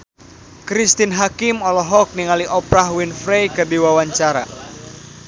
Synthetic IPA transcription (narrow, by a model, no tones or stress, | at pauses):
kɾist̪inɦakimɔlɔɦɔk̚niŋaliʔɔpɾahwinfɾejkɨrdiwawaɲt͡ʃaɾa̰